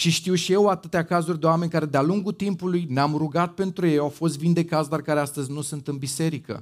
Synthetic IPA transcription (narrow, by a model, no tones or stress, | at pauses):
ʃiʃt̪iwʃije̞wat̪ɨt̪eakazurʲd̪e̞wame̞nʲkaɾe̞d̪ealuŋɡut̪impulujneamruɡat̪̚pe̞nt̪ɾuje̞jawfo̞st̪vind̪e̞kat̪sd̪oarkaɾe̞ast̪əzʲnusunt̪ɨnbise̞ɾikə̰